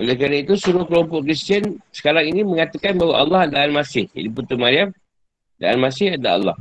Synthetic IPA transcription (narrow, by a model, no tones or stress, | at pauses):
olɛkɾanait̪usuɾʊhkəlɔmpɔʔkɾist̪iənsə̥kaɾaŋiniməŋat̪akanbaɦwaʔalːɑhadaanmasɪhḭdiput̪umaɾiam | da̰a̰nmasɪhad̪a̰a̰lːɑ̰h